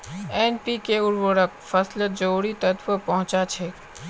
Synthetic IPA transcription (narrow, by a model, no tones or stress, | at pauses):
ɛnpikeʊɾʋəɾəkpʰəsləd͡ʒoːɽit̪ət̪ʰʋəpəɦʊ̃t͡ʃat͡ʃʰɛ